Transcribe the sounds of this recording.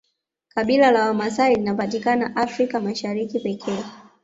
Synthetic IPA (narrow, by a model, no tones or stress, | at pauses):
kaɓilalawamasaɾilinapatikanaʔafɾikamaʃaɾikipɛkʰɛː